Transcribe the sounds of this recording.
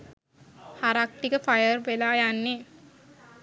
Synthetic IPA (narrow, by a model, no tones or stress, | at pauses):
haɾak̚ʈikəfajərʋelaːjanːe